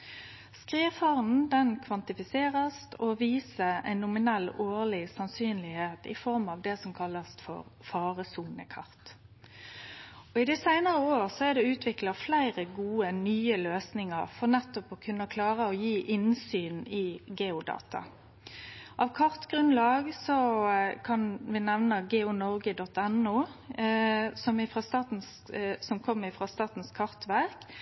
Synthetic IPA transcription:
skʁiːfɑʁn̩d̪ɛnkʰʋɑnt̪ɪfɪseːʁəst̪ɔʋiːsəæ̰ɪnːʊmɪnɛlːoːʁlɪsɑnsyːnlɪheːt̪ɪ̰fɔʁmɑʋd̪ɛsɔmkʰɑlːəsfɔ̰ʁfɑːʁəsuːnəkʰɑʁt̪ | ɔɪd̪ɛsæɪnəʁəoːʁsɔæd̪ɛʉːt̪ʰʋɪklɑflæɪʁəɡuːənyːəløːsnɪŋə̰ʁfɔʁnɛt̪ːɔpɔkʰʉnːəkʰlɑːʁəɔjiːʔɪnsyːnɪɡeːʊd̪ɑ̰ːt̪ɑ̰ | ʔɑʋkʰɑʁt̪ɡɾʉnlɑːɡsɔkʰɑnʋɪnɛʋnɑɡeːʊnɔʁɡəd̪ɔt̪ːɛnuː | sɔmɪfʁɑst̪ɑːt̪n̩s | sɔmkʰɔmːɪfʁɑst̪ɑːt̪n̩skʰɑʁt̪ʋæʁk

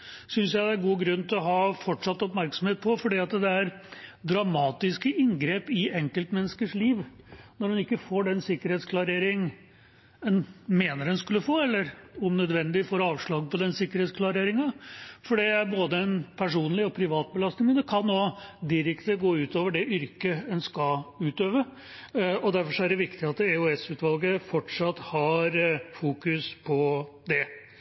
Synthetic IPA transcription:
sʏnsjæɪd̪æɡuːɡɾʉnːt̪ʰɪlɔɦɑːfɔʈʂɑt̪ːɔpmæɾksɔmheːt̪̚pʰɔfɔɖiːɑt̪d̪ɛæɾd̪ɾɑmɑːt̪ɪskəʔɪŋɡɾeːpɪɛŋkəlt̪mɛnːəskəʂliːʋnɔɾhʉnɪkːəfoːɖɛnsɪkːəɾheːt̪skʰlɑɾeːɾɪŋ | ɛnmeːnəɾɛnskʉlːəfoːɛlːəɾʊmnœd̪ʋɛnd̪ɪfɔɾɑːʋʂɭɑːɡpɔd̪ɛnsɪkːəɾheːt̪skʰlɑɾeːɾɪŋɑfɔɖɛæɾboːd̪əɛnpʰæʂuːnlɪɔpʰɾɪʋɑːt̪̚bəlɑst̪nɪŋənəkʰɑnːoːd̪ɪɾɛkt̪əɡoːʉːt̪oːʋəɖɛʔʏɾkəɛnskɑʉːt̪øːʋə | ɔd̪æɾfɔʂɔæɖɛʋɪkt̪ɪɑt̪ɛʊɛsʉːt̪ʋɑlɡəfɔʈʂɑt̪ːhɑɾfuːkʉspʰɔd̪ɛ

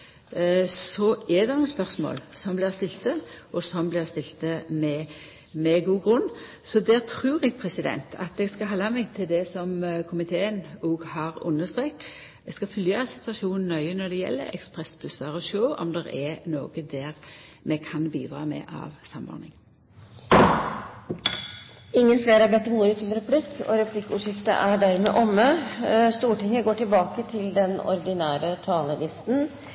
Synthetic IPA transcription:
sɔɛd̪ɛnʊəspœʁsmo̰ːlsɔmblɪʁst̪ɪlt̪əʔɔsɔmblɪʁst̪ɪlt̪əmɛ | mɛɡuːɡɾʉnː | sɔd̪æːɾt̪ʰɾʉːɾɛɡpʰɾɛsɪd̪ɛ̰nt̪ʰɑ̰t̪ɛɡskɑhɑːlːɑmɛɡt̪ʰɪld̪ɛsɔmkʰʊmɪt̪ʰeːənoːɡhɑːʁʊ̰nːəst̪ɾeːkː | ɛɡskɑfʉljəsɪ̥t̪ʉɑʃuːnn̩ːœʏənɔɾd̪ɛjɛ̰lːə̰ɛ̰kspʁɛsbʉsɑɾɔʃøːɔ̰md̪ɛɾɛnoːɡ̥əd̪æʁmʔɛkʰɑnbiːd̪ɾɑ̰ːmɛ̰ːʔɑ̰ʋsɑmɔ̰ɾnɪŋ | ɪŋːənfleːɾæɾbɛt̪ːəmuːɾət̪ʰɪlɾɛpʰlɪkːɔ̰ɾɛpʰlɪkːʉːʂɪft̪ə̰ʔæɖæɾmɛ̰ːʔɔmːəst̪uːʈɪŋːəɡoːʈɪlbɑːkət̪ʰɪld̪ɛnɔ̰ɾd̪ɪnæːɾət̪ʰɑːləlɪst̪n̩

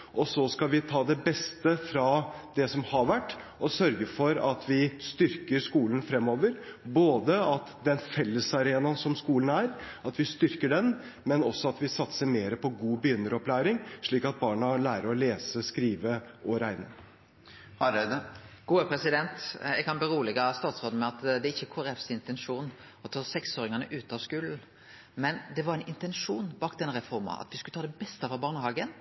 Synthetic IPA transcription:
ʔɔsɔskɑʋɪt̪ʰɑːd̪ɛbɛst̪əfɾɑd̪ɛsɔmhɑɾʋæʈː | ɔsœɾɡəfɔɾɑt̪ʰʋɪst̪ʏɾkəɾʂkuːlənfɾɛmːoːʋəɾboːd̪əɑt̪d̪ɛnfɛlːəsɑɾeːnɑnsɔmskuːlən̩æːɾ | ɑt̪ʋɪst̪ʏɾkəɖɛn | mɛnɔsːɔɑt̪ʋɪsɑt̪səɾmeːɾəpʰɔɡuːbəjʏnːəɾɔplæːɾɪŋʂɭiːkɑt̪̚bɑːɳɑlæːɾəɾɔleːsəskɾiːʋəʔɔɾæɪnəɾ | hɑɛd̪əɡ̥uːəpʰɾɛsɪd̪ɛnt̪jɛɡkʰɑnbiːɾuːlɛɡɑst̪ɑːt̪sʁoːd̪̩mɛɑt̪d̪ɛɾɪçːəkʰoɛɾɛfsɪnt̪ɛnʂuːn | ɔt̪ʰɑːsɛksoːɾɪŋɑnə̰ʔʉːt̪əɑʋskʉːln̩ | mɛnd̪ɛʋɑɾɛnɪnt̪ɛnʂuːnbɑːkd̪ɛnːəɾɛfɔɾmɑ̰ɑ̰t̪ʋɪskʉlət̪ʰɑːd̪ɛbɛst̪əfɔbɑːɾnəhɑːɡən

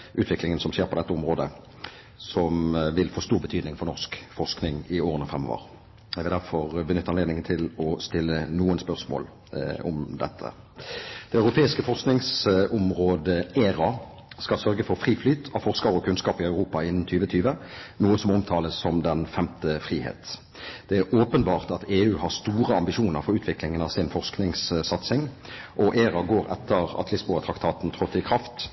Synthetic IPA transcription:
ʔʉːt̪ʋɪklɪŋənsɔmʃeːʁpʰɔd̪ɛt̪ːəʊmʁoːd̪ə | sɔmʋɪlfoːst̪uːʁbət̪ʰyːd̪nɪŋfɔʁnɔʁskfɔʁsknɪŋɪoːʁənəfɾʁɛmɔ̰ʋə̰ʁ | jɛɡʋɪld̪æʁfɔʁbənʏt̪ːɑneːd̪nɪŋənt̪ʰɪlɔst̪ɪlːənuːənspœʁsmo̰ːl | ɔ̰md̪ɛt̪ʰːə̰ | d̪̥ɛɑʉʁʊpʰeːɪskəfɔʁsknɪŋsʊmʁoːd̪əeːɾɑ | skɑlsœɾɡəfɔʁfʁiːflyːt̪ʰɑfɔʁskɑʁɔkʰʉnskɑːpɪœʉʁuːpɑɪnːn̩t̪ʰyːʋət̪ʰyːʋənuːəsɔmɔmt̪ʰɑːləsːɔmd̪ɛnfɛmt̪əfʁiːhḛːt̪ | d̪̥ɛæɾʔoːpənbɑːʁt̪ɑt̪eːʉːhɑʁst̪uːɾəɑmbɪʃuːnəɾfɔɾʉːt̪ʰʋɪklɪŋənɑʋsɪnfɔʁsknɪŋssɑt̪sɪŋʔɔʔeːɾɑɡoːɾɛ̰t̪ʰːəʁɑ̰t̪lɪsbuːɑt̪ʰʁɑkt̪ʰɑːt̪n̩t̪ʰʁɔt̪ːɪkʰʁɑft̪

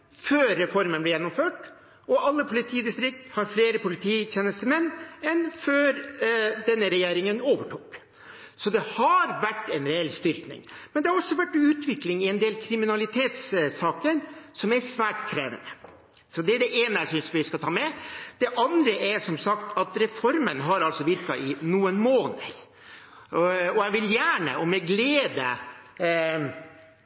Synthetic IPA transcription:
føːɾːɛfɔɾmənblɛːjɛnːʊmføːʈ | ɔʔɑlːəpʰʊlɪt̪ʰiːd̪ɪst̪ɾɪk̚t̪hɑɾfleːɾəpʊlɪt̪ʰiːçeːnəst̪əmɛnːɛnføːɾd̪ɛnːəɾɛjeːɾɪŋənoːʋəʈʰuːk | sɔd̪ɛhɑɾʋæʈːɛnɾɛɛlst̪ʏɾknɪ̰ŋmɛnd̪ɛhɑɾɔsːɔʋæʈːʉːt̪ʰʋɪklɪŋɪɛnd̪eːlkʰɾɪmɪnɑlɪt̪ʰeːt̪ssɑːkəɾsɔmæɾsʋæːʈkʰɾeːʋə̰nə | sɔd̪ɛæɖɛʔeːnəæɪsʏnsʋɪskɑt̪ʰɑːmɛd̪̥ɛʔɑnd̪ɾəɛɾsɔmsɑkt̪ʰɑt̪ɾɛfɔɾmənɦɑɾɑlsɔʋɪɾkɑʔɪnuːənmoːnə̰ɾ | ɔæɪʋɪljæːɳə̰ʔɔmɛɡleːd̪ə

